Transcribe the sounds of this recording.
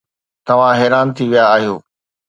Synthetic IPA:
t̪ɐʋ̤ãɦɛːɾaːnt̪ʰiʋijaːɦijoː

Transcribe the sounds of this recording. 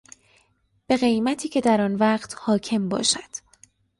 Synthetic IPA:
b̥e̞ɣe̞jmæt̪ʰiːcʰe̞d̪æɾɒːnvæːɢt̪ʰhɒːcʰe̞mbɒ̰ːʃæd̪̥

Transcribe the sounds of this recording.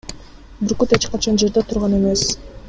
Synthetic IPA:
byɾkut̪e̞t͡ʃqɑt͡ʃʰɑnd͡ʒe̞ɾd̪et̪ʰuɾʁɑne̞me̞s

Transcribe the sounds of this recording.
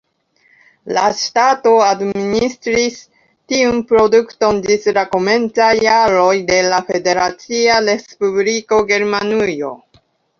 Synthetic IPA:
lastato̞administɾis | tiunpɾo̞dukto̞ndislakome̞nt͡sajːaɾo̞jde̞lafe̞de̞ɾat͡siaɾe̞spubliko̞ɡe̞ɾmanujo̞̰

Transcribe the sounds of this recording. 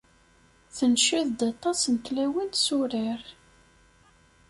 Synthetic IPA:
θənʃiðd̪ɑt̪ˤːɑsnt̪læwinsuɾiɾ

